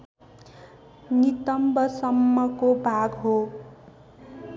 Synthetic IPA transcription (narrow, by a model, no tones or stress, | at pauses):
nit̪ʌmbʌsʌmːʌkobʱaɡɦo